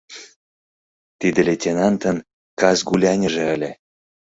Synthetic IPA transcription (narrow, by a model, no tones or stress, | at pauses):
t̪id̪ə̆lʲetʲenɑnt̪ə̆n | kɑzɡulʲɑnʲə̆ʒĕə̆lʲe